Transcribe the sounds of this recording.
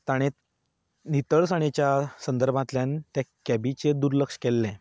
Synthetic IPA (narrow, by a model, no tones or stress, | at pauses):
t̪aɽ̃ẽ | nit̪əɭsaɽ̃et͡ɕjasənd̪əɾbʱãt̪ljãnt̪jakæbit͡ɕed̪uɾləkʂkelːɛ̃